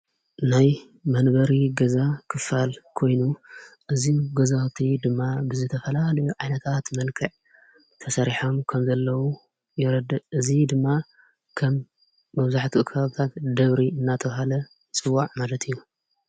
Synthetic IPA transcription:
naj | mɐnbɐɾiɡɐzakʰɨfalkʰo̞jnuʔɨziɡɐzat̪ʰid̪ɨmːabɨzɨt̪ʰɐfɐlalɐjuʕajnɐt̪ʰat̪mɐnkʰɐʕ | t̪ʰɐsɐɾiħo̞mkʰɐmzɐlːɐwu | jɪɾɐd̪ɐʔɨzid̪ɨmːa | kʰɐmː | ɐβzaħt̪ʰiukʰɐβaβt̪ʰat̪d̪ɐβɾiɨnːat̪ʰɐβɦalɐ | t͡sʼɨwːaʕmalɐt̪ʰɨjːu

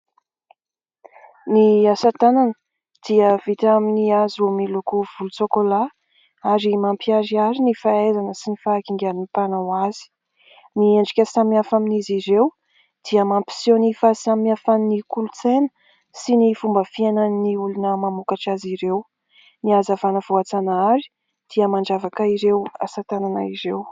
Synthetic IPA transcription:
niasat̪ananə | d̪̥iəv̥it̪aminiaziumilukuv̥ulut͡sokola | aɾimampiaɾiaɾinifaezanəsinifaːkiŋɡʲaɾinip̪anawazi̥ | nieɳɖ͡ʐikʲəsamiafaminiziɾew | d̪̥iəmampi̥sonifasammiafannikulut͡senə̥ | sinifumbəfienaniulunəmamukaʈ͡ʂaziɾew | niazavanəv̥oat͡sanaɾi̥ | d̪̥iəmaɳɖ͡ʐavakəiɾewa̰sat̪anana̰iɾew

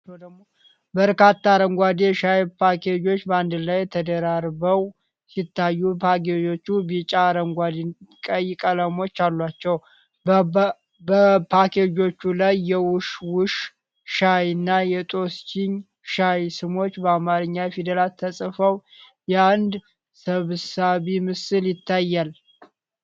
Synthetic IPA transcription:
wd̪əmo | bəɾkat̪ʰːaɾəŋɡʷad̪eʃajpʰakʰed͡ʒo̞t͡ʃːbəand̪lajɛt̪ʰəd̪əɾaɾbəw | sit̪ʰːajːupʰaked͡ʒo̞t͡ʃːubit͡ʃʼaɾəŋɡʷad̪ikʼəjːɪkʼələmo̞t͡ʃːalːwat͡ʃːɛw | əpʰaked͡ʒo̞t͡ʃːulajːɛwʊʃwʊʃ | ʃajɨnːajɛt̪ʼo̞st͡ʃɪɲ | ʃajsɨmo̞t͡ʃːbəamaɾɨɲːajfid̪əlat̪ʰːəsʼfəw | jɛand̪ | səβsaβimɨsɨljɪt̪ːajːal

